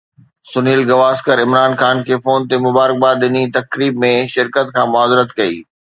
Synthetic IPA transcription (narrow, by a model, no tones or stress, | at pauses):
sʊniːlɡɐʋaːskəɾɪmɾaːnxaːnkʰeːfoːnt̪emʊbaːɾək̚baːɗɪnit̪ɐkɾiːb̚mẽʃɪɾkət̪kʰãːmʊaːzɪɾət̪kɐḭː